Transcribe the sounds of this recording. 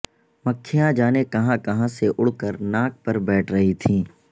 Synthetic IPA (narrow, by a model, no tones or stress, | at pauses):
mɐkʰːijãd͡ʒaːnekɐɦãkɐɦãseʔʊɽ̤kəɾnaːk̚pɐɾbɛːʈʰɾɐɦit̪ʰĩː